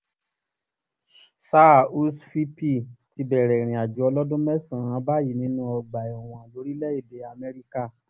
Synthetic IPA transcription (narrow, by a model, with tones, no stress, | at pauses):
sa˦˨u˦sfi˦pi˦˨ti˧bɛ˨ɾɛ˨ɾ̃ĩ˨a˨d͡ʒu˨˦ɔ˧lɔ˦dũ˦mɛ˦sã˦˨ã˨˦ba˦ji˨nĩ˧˦nũ˦ɔ˧ɡ͡ba˨ɔ˨w̃ɔ̃˨lo˨˧˦ɾi˦lɛ˦i˦˨de˨a˧˨mɛ˧ɾi˦ka˦˨